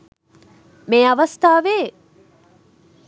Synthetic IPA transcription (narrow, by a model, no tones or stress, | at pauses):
meːaʋɐst̪aːʋeː